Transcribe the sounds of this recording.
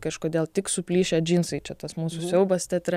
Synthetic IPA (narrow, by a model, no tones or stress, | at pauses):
kɐʃkoːd̪ʲeːlˠt̪ʲɪksʊpʲlʲiːʃʲeːd͡ʒʲiːnsɐɪt͡ʃʲɛt̪ɐsmuːsʊsʲɛʊbɐst̪ʲɛt̪ʲɾʲ